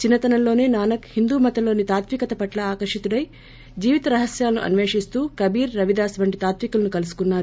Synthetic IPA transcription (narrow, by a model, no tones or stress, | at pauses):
t͡ʃinːɐt̪ɐnɐlo̞ːne̞ːnaːnɐkhind̪uːmɐt̪ɐlo̞ːnit̪aːt̪ʋikɐt̪ɐpɐʈlɐaːkɐɾʂit̪uɽɐj | d͡ʒiːʋit̪ɐɾɐɦɐsjaːlɐnṵʔɐ̰nʋeːʂist̪uːkɐbiːɾːɐʋid̪aːsʋɐɳʈit̪aːt̪ʋikulɐnukɐlusu̥kunːaːɾu